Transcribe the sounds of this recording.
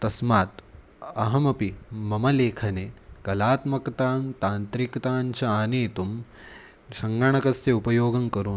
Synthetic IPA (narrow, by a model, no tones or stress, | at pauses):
t̪ɐsmaːt̪ | ɐɦɐmɐpimɐmɐleːkʰɐnekɐlaːt̪mɐkt̪aːmt̪aːnt̪ɾikɐt̪aːnt͡ʃʰɐaːneːt̪um | ʃɐŋɡaɳɐkɐsjeupɐjoːɡɐŋkɐɾuː